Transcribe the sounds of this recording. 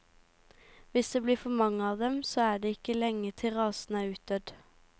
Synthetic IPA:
ʋɪsd̪eːbliːfɔmɑŋəɑːʋd̪ɛmsoːæːɖeːɪkəlɛŋət̪ʰɪʁɑːsn̩æːɾʉːt̪̚d̪̥œd̪

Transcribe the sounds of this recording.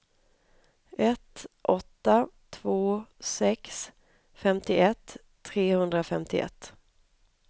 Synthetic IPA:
ɛt̪ʔɔt̪ːat̪ʰvoːsɛks | fɛmt̪ɪʔɛt̪ʰː | ɾeːhɵnd̪ɾafɛmt̪ʰɪʔɛ̰t̪ː

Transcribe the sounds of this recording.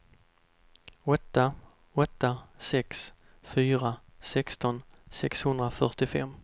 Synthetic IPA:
ɔt̪ːa | ɔt̪ːasɛks | fyːɾa | sɛkst̪ɔnsɛkshɵnd̪ɾafœʈɪfɛ̰mː

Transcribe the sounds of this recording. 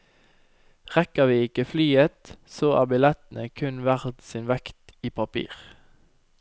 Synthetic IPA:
ʁɛkəʋiːɪkəflyːət̪soːʔæ̰ːʁbɪlɛt̪n̩əkʰʉnʋæʁt̪siːnʋɛkt̪iːpʰɑpʰḭːʁ

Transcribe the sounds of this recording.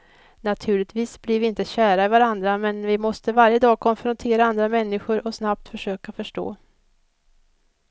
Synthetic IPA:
nat̪ʰʉ̟ːɭɪt̪viːsblɪɾvɪɪnt̪əɕæːɾaɪvaɾand̪ɾamɛnvɪmɔst̪əvaɾjəd̪ɑːɡ̚kʰɔnfɾɔnt̪ʰeːɾaand̪ɾamɛnːɪɧʊɾɔsnap̚t̪fœʂøːkafœʂʈo̰ː

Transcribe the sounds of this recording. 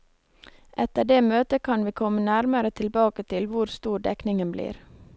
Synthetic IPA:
ʔɛt̪əɖeːmøːt̪əkʰɑnʋiːkʰɔmːənæɾməɾət̪ʰɪlbɑːkət̪ʰɪlʋʊɾst̪uːɖɛknɪŋənblḭːɾ

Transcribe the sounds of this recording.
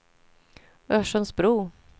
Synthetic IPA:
œʂənsbɾuː

